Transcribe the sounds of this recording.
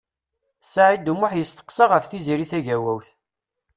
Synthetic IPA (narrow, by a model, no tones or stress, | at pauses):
saʕid̪umʊħjəst̪ə̥qsɑʁəfθiziɾiθæʝæwæwθ